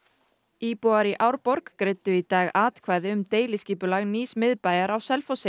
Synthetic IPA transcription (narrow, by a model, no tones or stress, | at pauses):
iːpuaɾiʔawɾpɔɾkːɾɪːt̪ʏit̪aːɣaːt̪kʰvaːjðɪʏmt̪eːjlɪsciːpʏlaɣniːsmɪðpaːjaɾawsɛlfɔwsɪ